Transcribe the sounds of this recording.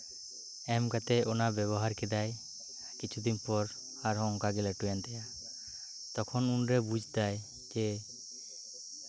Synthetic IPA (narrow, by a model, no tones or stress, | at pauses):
ɛmɡat̪ɛʔonabɛβɔɦaɾkɛd̪aj | kit͡ʃʰud̪inpɔɾ | haɾɦɔŋkaɡɛlɛʈujant̪ɛja | t̪ɔkʰɔnunɾebud͡ʒʱd̪aj | d͡ʒe